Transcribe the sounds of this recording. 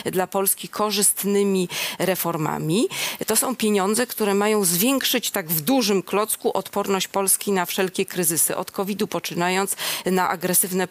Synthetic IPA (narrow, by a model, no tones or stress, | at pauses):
d̪lapɔlskʲikʰɔʐɘst̪nɘmʲiɾɛfɔɾma̰mʲit̪ɔsɔ̃w̃pʲjeɲɔnd̪zɛkt̪uɾɛmajɔ̃w̃zvʲjɛŋkʂɘt͡ɕt̪aɡvd̪uʐɘmklɔt̪skuʔɔt̪pɔɾnɔɕt͡ɕpɔlskʲinafʂɛlkʲɛkɾɘzɘsɘ̰ʔɔ̰t̪kɔvʲid̪upɔt͡ʂɘnajɔnt̪snaʔa̰ɡɾɛsɘvnɛ